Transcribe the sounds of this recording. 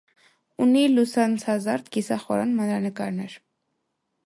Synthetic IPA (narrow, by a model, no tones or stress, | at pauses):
unilusansazaɾt̪kisaχɔɾanmananɪkaɾnaɾ